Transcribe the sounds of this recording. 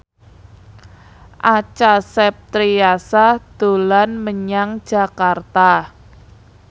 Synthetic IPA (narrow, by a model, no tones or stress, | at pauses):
ʔat͡ʃasɛp̚t̪ɾiasad̪̥o̤lanməɲaŋ̥d͡ʒ̥a̤kart̪a